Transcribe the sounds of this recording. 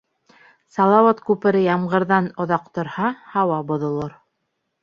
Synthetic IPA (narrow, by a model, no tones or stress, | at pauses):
sɑlˠɑwɑt̪kʉpɘ̆ɾɘjɑmʁɤ̆ɾðɑnŏðɑq̚t̪ŏɾhɑhɑwɑbŏðŏlˠoɾ